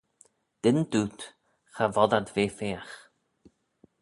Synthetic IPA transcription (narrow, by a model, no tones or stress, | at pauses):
d̪̥ɪnd̪uːt̪ | xavɔd̪ad̪veːfeːax